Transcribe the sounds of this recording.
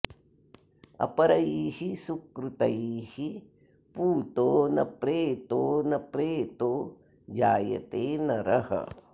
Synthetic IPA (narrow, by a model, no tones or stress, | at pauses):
ɐ̰pɐɾɐjiːhisukɾut̪ɐjiːhi | puːt̪oːnɐ̰pɾeːt̪oːnɐpɾeːt̪oː | d͡ʒaːjɐ̰t̪eːnɐɾɐhɐ̰